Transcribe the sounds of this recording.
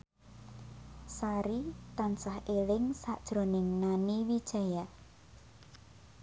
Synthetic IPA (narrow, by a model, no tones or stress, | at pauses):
saɾit̪ansahʔelɪŋsa̰ʔd̥ʒ̥ɾonɪŋnaniwid̥ʒ̥a̤ja